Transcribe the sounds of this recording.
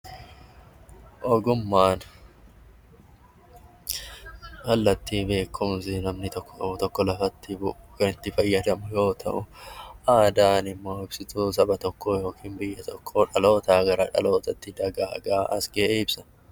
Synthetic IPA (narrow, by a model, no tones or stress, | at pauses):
ʔɔɡʊmːaːn | hɐlːɐt̪ːiːbe̞ːkʰːʊmsɪnɐmnɪt̪ɔkːɔt̪ɔkːɔlɐfɐt̪ːɪbʊʔʊkɐnɪt̪ːɪfɐjːɐd̪ɐmʊjo̞ːt̪ʰɐ̰ʔʊʔaːd̪aːnɪmːo̞ːɪbsɪt̪us̬ɐbɐt̪ɔkʰːoːjo̞ːkʰiːnbɪjːɐt̪ʰɔkʰːoːᶑɐlo̞ːt̪aːɡɐɾɐːᶑɐ̰lo̞ːt̪ɐt̪ːɪd̪ɐɡaːɐ̰ɡaːʔɐsɡeʔeɪbsɐ̥